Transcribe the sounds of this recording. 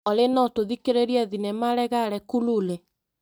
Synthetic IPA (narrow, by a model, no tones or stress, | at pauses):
ɔlenɔtoðikeɾeɾiɛðinɛmaɾɛɣaɾɛkululɛ